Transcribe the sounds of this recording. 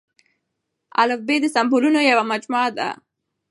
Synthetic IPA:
a̰lafbed̪əsambulunojawamad͡ʒmɑd̪a̰

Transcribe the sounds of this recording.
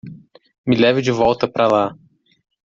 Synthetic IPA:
mɪlɛvɪd͡ʒɪvɔwt̪ɐpɾʔɐla

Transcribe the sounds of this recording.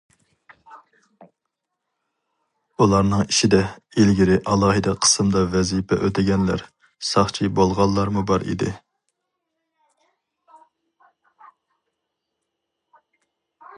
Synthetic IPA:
ulˠɑɾnɨŋiʃid̪ɛilɡʲiɾɪʔɑlˠɑːɦɨd̪ɛqʰə̥sɨmd̪ɑvɛzipʰɛʔøt̪ʰɪɡʲɛnlæ̰ɾ | sɑχt͡ʃʰibolˠʁɑlˠːɑɾmubɑɾḭd̪ɪ

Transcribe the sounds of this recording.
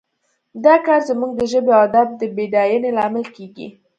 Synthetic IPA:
d̪ɑkɑɾzamuɡ̚d̪əʒəbead̪ɑb̚d̪əbeɖɑjənelɑmɪlkeɡḭ

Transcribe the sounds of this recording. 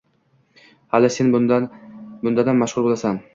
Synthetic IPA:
halɪse̞n | bʊnd̪ad̪anmːaʃʁʊɾbolˠasan

